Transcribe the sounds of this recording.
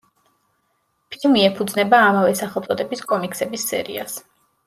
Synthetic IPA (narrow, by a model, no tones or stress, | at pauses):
pʰilˠmiɛpʰud̪znɛbaːmavɛsaχɛlˠt̪ʼɔd̪ɛbiskʼɔmiksɛbisːɛ̰ɾḭas